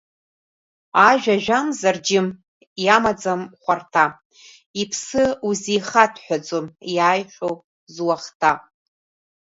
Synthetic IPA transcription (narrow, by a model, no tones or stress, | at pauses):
aʒᶣaʒᶣamzard͡ʒɪm | jamad͡zamχʷartʰa | ipʰsɨuzijχatʰħʷᶣad͡zomjaːjχʲʷᶣow | zwaχtʰa